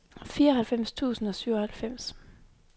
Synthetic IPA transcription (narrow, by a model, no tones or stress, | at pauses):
fiːɐɒɦælfem̰st͡sʰṵːsn̩ɒ̽syʊ̰ɒhælfem̰s